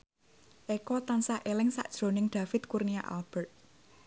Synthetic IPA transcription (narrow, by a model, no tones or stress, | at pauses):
ʔekɔt̪ansaʔelɪŋsa̰ʔd̥ʒ̥ɾo̤nɪŋɖ̪̥ä̤fɪt̪̚kurniaʔa̰lb̥ɛrt̪̚